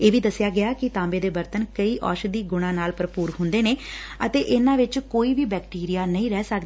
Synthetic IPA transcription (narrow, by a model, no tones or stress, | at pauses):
eːʋiːd̪əsɪjaːɡɪaːkɪt̪ãːmbeːd̪eːbəɾt̪ənkəiːʔɔ̰ːʃd̪iːɡʊɽ̃ãːnaːlpəɾpuːɾɦʊ̃nd̪eːneːət̪eːʔɪnãːʋɪt͡ʃkoːiːʋiːbɛːk̚ʈiːɾijaːnəĩːɾɛːsəkd̪ː